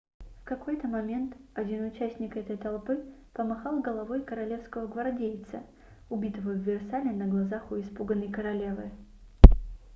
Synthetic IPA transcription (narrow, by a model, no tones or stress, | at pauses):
fkɐko̞jt̪əmɐmʲe̞nt̪ɐdʲinʊt͡ɕæsʲnʲɪkɛt̪əjt̪ɐlˠpɨpəmɐxɑlˠɡəlˠɐvo̞jkəɾɐlʲe̞fskəvəɡvɐrdʲejt̪sə | ʊbʲit̪əvəjʊvʲɪrsalʲɪnəɡlˠɐzaxʊɪspuɡənːəjkəɾɐlʲe̞vɨ